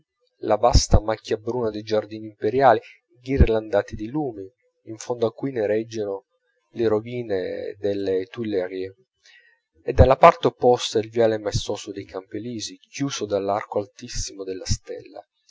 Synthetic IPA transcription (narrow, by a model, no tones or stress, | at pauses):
labast̪amakːjabɾuːnad̪ejd͡ʒard̪iːniimpeɾjaːli | ɡirland̪aːt̪id̪eluːmiː | ɱfond̪oakːujneɾɛd͡ʒːeno | leɾoviːnḛd̪elːet̪ulːʁe | ɛd̪ːalːapart̪eopːɔst̪ailvjaːlɛmaest̪ɔːsod̪ejkʰampeliːzikjuːsod̪alːarkoalt̪isːimod̪elːast̪ɛ̰lːa̰